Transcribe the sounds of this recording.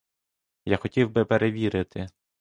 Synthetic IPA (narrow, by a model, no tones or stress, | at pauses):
jaxɔtʲiwbɪpeɾʔeʋʲiɾɪt̪ʰɪ